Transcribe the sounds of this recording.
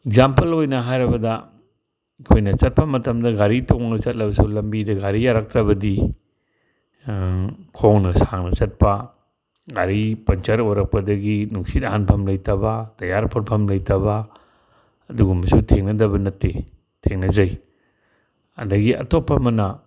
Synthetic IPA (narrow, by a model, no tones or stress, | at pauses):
eɡzampɐlojnɐɦajɾɐbɐdɐ | kʰojnɐt͡ʃɐt̚pɐmɐtɐmdɐɡaɾitʰoŋnɐt͡ʃɐt̚lɐbɐsulɐmbidɐɡaɾijaɾak̚tɾɐbɐdi | kʰoŋnɐsaŋnɐt͡ʃɐt̚pɐ | ɡaɾipɐnt͡ʃaɾojɾɐk̚pɐdɐɡinuŋsitɐɦanpʰɐmlɐjtʰɐbatɐjaɾpʰoɾpʰɐmlɐjtʰɐba | ɐduɡumːɐsutʰeŋnɐdɐbɐnɐtːe | tʰeŋnɐzɐj | ɐ̰ndɐɡiʔɐ̰topːɐmɐnɐ